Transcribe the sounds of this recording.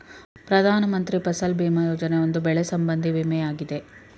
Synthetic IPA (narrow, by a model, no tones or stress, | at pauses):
pɾɐd̪ʱaːnɐmɐnt̪ɾipɐsɐlbiːmɐjoːd͡ʒɐneo̞nd̪ubɛɭesɐmbɐnd̪ʱiʋimɛjaːɡid̪e̞